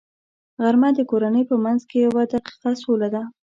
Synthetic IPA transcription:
ɣaɾmad̪əkoɾanəjpəmanzkejawɑd̪aqi̥qɑsolad̪a

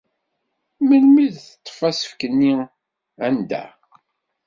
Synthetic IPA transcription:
məlmiðθt̪ˤːə̥fæsə̥fkənːi | ænd̪æ̰

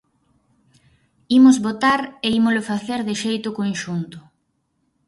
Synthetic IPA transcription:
imʊzβot̪aɾeimʊlofaθeɾðɪʃejt̪ʊkonʃunt̪ʊ̥

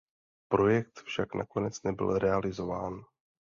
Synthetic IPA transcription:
pɾo̞jɛk̚t̪fʃakna̰ko̞nɛt͡snɛbɪ̰lɾɛalɪzo̞vaːn

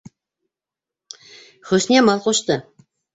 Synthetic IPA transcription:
χɵsnʲemɑlˠqoʃt̪ə

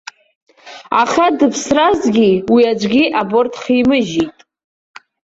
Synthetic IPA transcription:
a̰χadɨpʰsrazɡʲiwiad͡ʒʷɡʲiʔabortʰχimɨʒitʼ

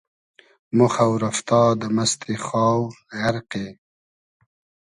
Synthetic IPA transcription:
moxawɾaft̪ɑːd̪əmast̪ʰexɑːw | ɣaɾqe

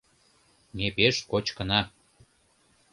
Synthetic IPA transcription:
nepeʃkot͡ɕkə̆nɑ

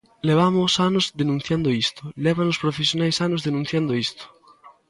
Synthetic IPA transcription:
leβ̞amosanozd̪enũn̟θjand̪oist̪o̥leβ̞anospɾofesjonajsanozðenũn̟θjand̪oist̪o̥

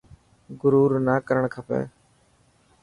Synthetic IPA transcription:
ɡʊɾuːɾnaːkəɾəɳkʰəpḛː

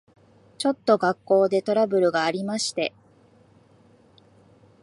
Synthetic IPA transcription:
t͡ɕo̞t̪ːo̞ɡakːo̞ːd̪e̞t̪o̞ɾabɯ̟ɾɯ̟ɡaːɾʲimaɕi̥t̪e̞

